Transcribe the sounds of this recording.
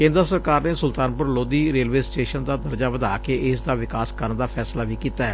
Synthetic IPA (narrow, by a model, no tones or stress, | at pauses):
kẽːnd̪əɾəsəɾkaːɾneːsʊlt̪aːnpʊɾloːd̪iːɾeːlʋeːsʈeːʃənd̪aːd̪əɾd͡ʒaːʋəd̪aːkeːʔɪsd̪aːʋɪkaːskəɾənd̪aːpʰɛːslaːʋiːkiːt̪aːɦɛː